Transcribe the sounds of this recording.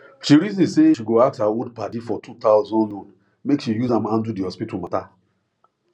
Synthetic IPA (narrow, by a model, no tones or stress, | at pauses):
ʃiɾizĩseʃiɡoak̚thawudpadifɔtʰutaʊzɔ̃nɔ̃n | mekʃijuzãmãndudiɔspitumata